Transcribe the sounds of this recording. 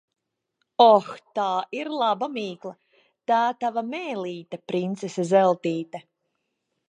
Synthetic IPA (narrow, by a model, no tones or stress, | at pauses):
ɔxt̪aːiɾlˠabamiːklˠa | t̪aːt̪avamɛːliːt̪apɾint̪sesazɛlˠt̪iːt̪ɛ